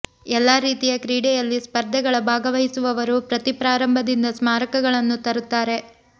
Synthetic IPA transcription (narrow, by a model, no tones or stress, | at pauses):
ɛlːaːɾiːt̪ijɐkɾiːɽɛjɐlːispɐɾd̪ʱɐɡɐɭɐbʱaːɡɐʋɐjisuʋɐʋɐɾupɾɐt̪ipɾaːɾɐmbʱɐd̪ind̪ɐsmaːɾɐkɐɡɐɭɐnːut̪ɐɾut̪ːaːɾe̞